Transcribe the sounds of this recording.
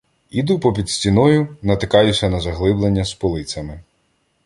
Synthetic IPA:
id̪upɔpʲid̪sʲtʲinɔjʊnɐt̪ɪkɑjʊsʲɐnɐzɐɦlˠɪblˠenʲːɐspɔlˠɪt͡sʲɐmɪ

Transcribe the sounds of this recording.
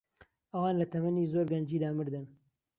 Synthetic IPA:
ʔɐwɑːnlɐt̪ʰɐmɐniːzoːɾɡɐnd͡ʒiːd̪aːmɨɾd̪ɨn

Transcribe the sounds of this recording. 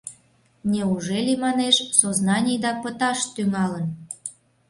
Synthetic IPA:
nʲeuʒelʲimɑneʃsoznɑnʲijd̪ɑpət̪ɑʃt̪ymɑlən

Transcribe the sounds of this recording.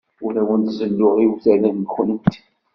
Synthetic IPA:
ʊlæwənt̪zəlːʊʁiwθælænɡxənəmt̪i̥

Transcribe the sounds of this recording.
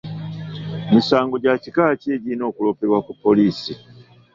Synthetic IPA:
misaːŋɡo̞ɟacikaceːɟino̞ːkulo̞peɾwakupːo̞liːsi

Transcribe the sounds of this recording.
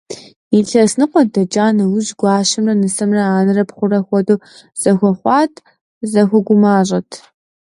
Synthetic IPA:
iɬɐsnɨqʷɔdɐd͡ʒʼaːnɐwʊʑɡʷɑːɕɪmrɐnɨsɐmrɐaːnɨrɐpχʷʊrɐxʷɔdoː | z̥ɐxʷɔχʷɑːtʰ | zɐxʷɔɡʷʊmaːʑʼɐtʰ

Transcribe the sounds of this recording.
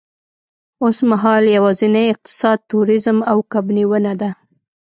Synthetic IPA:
osmaɦɑljawɑzinaɪq̚t̪ɪ̥sɑd̪̚t̪uɾɪzmawkabniwənad̪a

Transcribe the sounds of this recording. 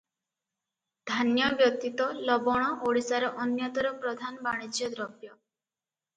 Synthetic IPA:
d̪ʱanjɔbjɔt̪it̪ɔlɔbɔɽ̃ɔʔoɽisaɾɔʔɔnjat̪ɔɾɔpɾɔd̪ʱanbaɽ̃id͡ʒjɔd̪ɾɔbjɔ

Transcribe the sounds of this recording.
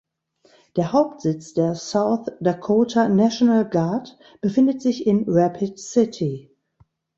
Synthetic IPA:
d̥eːɐhaʊp̚tz̥ɪt͡sd̥eːɐsaʊθd̥akʰoːtʰanaʃonalɡaɐt | b̥əfɪ̃ndətz̥ɪçɪ̃nɹapʰɪtsɪtʰi

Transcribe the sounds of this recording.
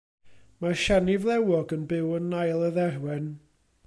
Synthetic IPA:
maʃanɪvlˠɛwɔɡənbɪwənːajlˠəðɛrwɛn

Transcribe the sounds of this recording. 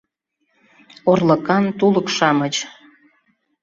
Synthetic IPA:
orlə̆kɑnt̪uləkʃɑmət͡ɕ

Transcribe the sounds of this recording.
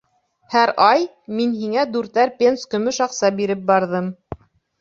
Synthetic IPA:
hæɾɑj | minɦiŋæd̪ʉɾt̪æɾpʲenskɵ̆mɵʃɑqsɑbiɾɘp̚bɑɾðɤm

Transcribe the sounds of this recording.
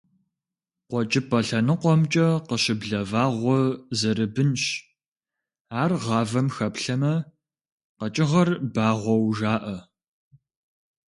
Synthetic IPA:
qʷɔt͡ʃʼɪpʰʼɐɬɐnɨqʷɔmt͡ʃʼɐqəɕɪbɮɐvaːʁʷɔzɐɾɨbɨnɕ | aːrʁɑːvɐmxɐpɬɐmɐ | qɐt͡ʃʼɪʁɐrbaːʁʷɔwʒaːʔɐ

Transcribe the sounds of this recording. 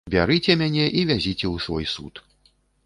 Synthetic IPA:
bʲaɾɨt͡sʲɛmʲanʲɛʔivʲazʲit͡sʲɛwsvɔ̰jsṵt̪

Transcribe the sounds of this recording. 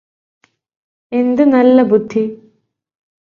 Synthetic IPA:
e̞nd̪ɨnɐlːɐbud̪ʱːi

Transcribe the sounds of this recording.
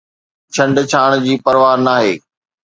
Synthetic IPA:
t͡ɕʰɐ̃ɳɖt͡ɕʰaːɽ̃d͡ʑiːpɐɾʋaːɾnaːɦeː

